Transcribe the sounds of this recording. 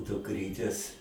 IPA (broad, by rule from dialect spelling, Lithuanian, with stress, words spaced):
dʊkˈrʲiːtʲeːs